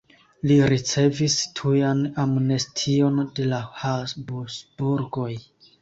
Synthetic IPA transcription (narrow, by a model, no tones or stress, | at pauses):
liɾit͡se̞vistʰujanamnestʰio̞nde̞lahasbusbuɾɡo̞j